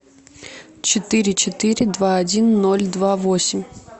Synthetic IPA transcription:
t͡ɕɪt̪ɪɾʲɪt͡ʃɪt̪ɪɾʲɪd̪vaɐdʲinːɔlʲd̪vavosʲɪmʲ

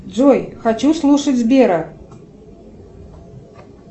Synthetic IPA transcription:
d̪d͡zojxat͡ʃuslˠuʂɐt͡sʲzbʲeɾɐ

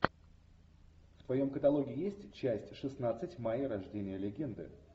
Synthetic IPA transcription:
ft̪vɐjo̞mkət̪ɐlˠo̞ɡʲɪːjesʲtʲt͡ɕæsʲtʲʂɨsnat̪sɨtʲmajəɾɐʐdʲenʲɪjəlʲɪɡʲe̞nd̪ɨ̰

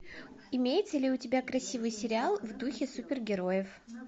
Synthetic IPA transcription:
ɪmʲejɪt̪səlʲɪʊtʲɪbʲakɾɐsʲivɨjsʲɪɾʲɪalˠvd̪uxʲɪsupʲɪrɡʲɪɾo̞jɪf

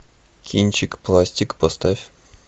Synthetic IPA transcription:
kʲinʲt͡ɕikplˠasʲtʲikpost̪afʲ

